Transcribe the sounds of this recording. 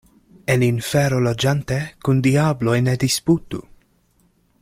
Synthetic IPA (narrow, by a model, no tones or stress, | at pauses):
elinfeɾolod͡ʒant̪ekund̪iablojned̪isput̪ṵ